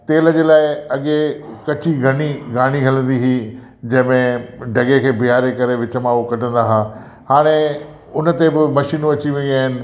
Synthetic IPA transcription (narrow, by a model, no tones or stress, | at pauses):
t̪eːlə̆d͡ʑeːlaːɪɐɠekɐt͡ɕiɡʱɐɽ̃iɡaːɽ̃iɦɐlə̃nd̪iɦiː | d͡ʑɐ̃ɦɪ̃mẽɖʱɐɠekʰeːbiɦaːɾekɐɾeʋɪt͡ɕə̆mãɦokɐʈʰə̃nd̪aɦaː | haːɽ̃e | ʊnə̆t̪ebɪmɐʃiːnũɐt͡ɕiʋeiaːɦɪnɪ̆